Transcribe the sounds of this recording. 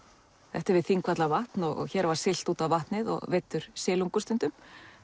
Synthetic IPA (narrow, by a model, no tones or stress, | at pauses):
θɛht̪ɪɾvɪðθiŋkvat̪lavaht̪nɔɣɔ̰ɣçɛːɾvaɾ̥sɪl̥t̪uːt̪avvaht̪nɪðɔ̰ɣvɪt̪ːʏɾ̥sɪːluŋkʏst̪ʏnt̪ʏm